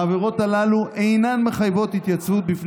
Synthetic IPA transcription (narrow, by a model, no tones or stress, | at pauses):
veʁo̞t̪alaluʔejnanme̞χajvo̞t̪hit̪jat͡svut̪̚bif